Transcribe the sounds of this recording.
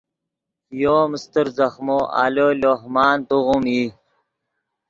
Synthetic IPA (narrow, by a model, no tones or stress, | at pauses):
joːmist̪əɾzɐxmoa̰ːloːloːɦmaːnt̪uʁumiː